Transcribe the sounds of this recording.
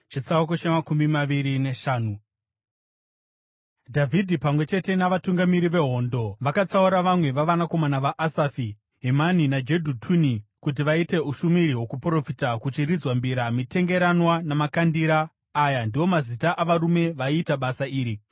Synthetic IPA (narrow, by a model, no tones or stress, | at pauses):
t͡ʃit͡saukot͡ʃemakumbimaʋiɾineʃaːnu | dʱavʱidʱipamwe̞t͡ʃe̞te̞naʋatuŋɡamiɾiʋe̞ɦo̞ndo̞ʋakat͡sauɾaʋamwe̞ʋaʋanako̞manaʋaʔasafi | ɦemaninad͡ʒe̞dʱutʰunikut̬iʋaite̞uʃumiɾiɦwo̞kupro̞fitakut͡ʃirid͡zwambiɾamite̞ŋɡe̞ɾanwanamakandiɾaː | jandiwo̞mazitaʔaʋaɾume̞ʋaiːtaɓasaiːɾi